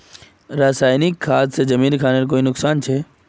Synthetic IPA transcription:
ɾaːsaːjnɪkːʰaːt̪sed͡ʒɐmiːnkʰaːneɾkoːinʊksaːnt͡ʃʰeː

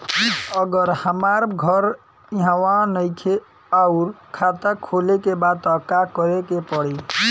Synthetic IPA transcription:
əɡəɾhəmaɾɡʱəɾ | iɦãwãnəjtʰe | auɾkʰat̪akʰolekebad̪̚əkakəɾekepəɽi

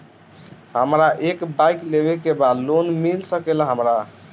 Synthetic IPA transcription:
ɦəmɾaʔekbajklebekebad̪lonmilsəkelɦəmɾa

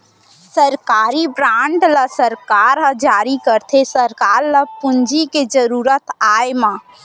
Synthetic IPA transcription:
səɾkaːɾibɾaːɳɖləsəɾkaːɾɦəd͡ʒaːɾikəɾt̪ʰesəɾkaːɾləpund͡ʒiked͡ʒəɾuːɾət̪aːemã

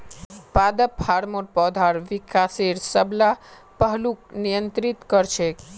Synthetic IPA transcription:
pad̪əphaɾmoɾpɔd̪ʱaɾʋikʰaseɾsəbla | pəɦluknijənt̪ɾit̪kəɾt͡ʃʰe

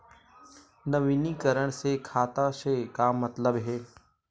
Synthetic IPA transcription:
nɐʋiːnikəɾəɽ̃sekʰaːt̪aʃekaːmːɐt̪ləbɦeː

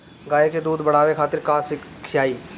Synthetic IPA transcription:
ɡaːjeked̪uːd̪bɐɽ̤aːʋekʰaːt̪ɪɾkaːsɪkʰːjaːiː

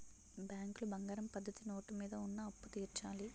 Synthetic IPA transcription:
bjaːŋkulubɐŋɡaːɾɐmpɐd̪ːɐt̪ino̞ːʈimiːd̪ɐunːɐːpːut̪iːɾt͡ʃaːli

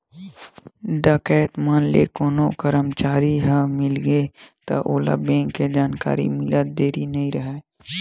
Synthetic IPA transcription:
ɖəkɛːt̪maːnlḛːkoːnokəɾəmt͡ʃaːɾiɦəmɪlɡet̪ɐ̰ʔoːla̰bẽːŋkːed͡ʒaːnka̰ːɾḭmɪlət̪̚d̪eːɾinɐɦĩɾəɦɛː

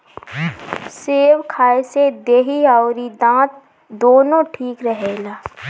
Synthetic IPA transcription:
seːwkʰaːesed̪eːɦiaʊɾid̪ãːt̪̚ | d̪oːnõʈʰiːkɾəɦeːlaː

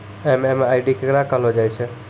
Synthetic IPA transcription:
ɛmɛmaiɖikeɡɾãkalod͡ʒaːjt͡ʃʰe

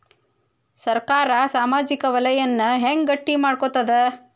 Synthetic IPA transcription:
sɐɾkaːɾɐsaːmaːd͡ʒikɐʋɐlɐjɐnːɐɦeŋɡɡɐʈːimaːɖkot̪ːɐd̪e

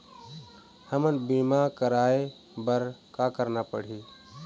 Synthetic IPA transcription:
həmənbimakəɾae | bəɾkakəɾnapə̰ɽ̤i

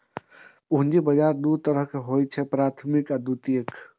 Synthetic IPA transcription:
puɦnd͡ʒibəd͡ʒaɾd̪ut̪əɾəɦkeɦojt͡ʃʰɛpɾat̪ʰmikad̪ut̪iek

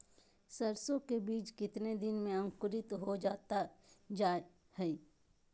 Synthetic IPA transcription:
sɐɾsõkebiːt͡ʃkɪt̪ned̪ɪnmẽɐ̃ŋkʊɾɪt̪ɦod͡ʒaːt̪ad͡ʒaː | hɛː

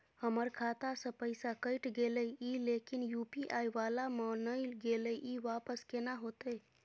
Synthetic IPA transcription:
həməɾkʰaːt̪asə̃pəɪsakəɪʈɡeləilekinjupiʔajʋalamənəɪlɡeləʔiʋapəskenaɦot̪e

